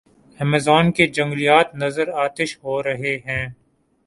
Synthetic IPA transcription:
hɛmeːzaːnked͡ʒɐ̃ŋɡlijaːt̪nɐzəɾaːt̪ɪʃɦoːɾɐɦeɦɛ̃ː

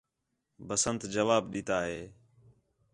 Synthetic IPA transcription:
bəsənt̪d͡ʒəʋaːbɗiːt̪aːɦeː

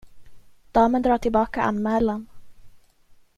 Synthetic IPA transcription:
d̪̥ɑːmənd̪ɾɑːʈʰɪlbɑːkaʔa̰nmɛːlan

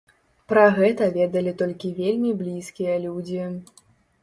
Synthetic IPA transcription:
pɾɐɣɛt̪ɐvʲɛd̪ɐlʲit̪ɔlʲkʲivʲelʲmʲiblʲiskʲijɐlʲud͡zʲi

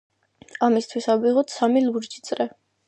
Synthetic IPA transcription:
amist̪ʰwisabiʁɔt̪samiluɾd͡ʒit̪sʼɾɛ

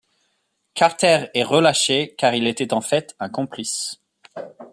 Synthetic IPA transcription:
kaʁt̪ɛʁɛʁəlaʃekaʁilet̪ɛt̪ɑ̃fɛt̪ɛ̃kɔ̃plis

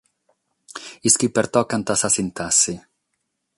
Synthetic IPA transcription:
iskipeɾt̪ɔkant̪asasint̪asːi

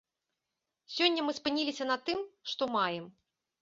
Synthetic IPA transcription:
sʲɔnʲːɐmɨspɨnʲilʲisʲɐnɐt̪ɨmʂt̪ɔmajɛm

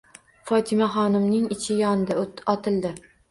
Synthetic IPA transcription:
fɒt̪ʰɪmaχɒnɪmnɪŋɪt͡ʃʰɪjɒnd̪ɪɒt̪ʰɪlˠd̪ɪ

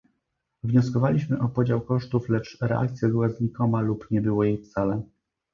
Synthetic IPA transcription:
vɲɔskɔvalʲiɕmɘʔɔpɔd͡ʑawkɔʂt̪uflɛt͡ʂɾɛ̰ʔa̰kt̪sʲjɛbɘwɛzɲikɔmalupɲɛbɘwɔjejft̪salɛ

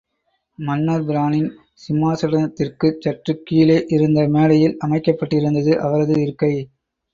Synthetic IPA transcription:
mɐnːɐɾbɪɾaːnɪn | sɪmːaːsɐɽɐnɐt̪ːɪrkɯt͡ʃːɐʈrɯkːiːleːʔɪɾɯnd̪ɐmeːlɐjɪlɐmɐɪkːɐpːɐʈːɪɾɯnd̪ɐðɯʔɐʋɐɾɐðɯɪɾɯkːɐɪ

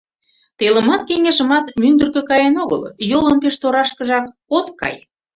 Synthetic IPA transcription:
t̪elə̆mɑt̪keŋeʒə̆mɑt̪mynd̪ə̆rkø̆kɑjenoɣə̰ljolənpeʃt̪oɾɑʃkə̆ʒɑk | ot̪kɑ̰j

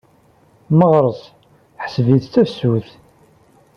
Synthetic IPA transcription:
məʁɾˤəsˤ | ħə̥sviðt͡sːæfsuθ

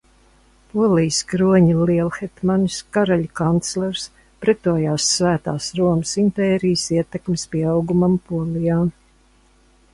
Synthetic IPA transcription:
puɔlˠijskɾuɔɲiliɛlˠxɛt̪manskaɾaʎʲkant̪slʲɛɾs | pɾɛt̪uːjaːsːvæːt̪aːsɾuɔməsimpɛːɾijsiɛt̪ɛkmspiɛawɡumampuɔlˠijaː

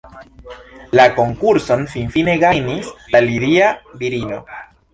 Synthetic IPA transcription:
lako̞ŋkuɾso̞nfinfine̞ɡajnislaliɾiabiɾino̞̰

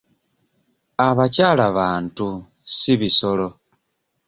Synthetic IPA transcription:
aβacaːlaβaːntu | siβiso̞lo̞

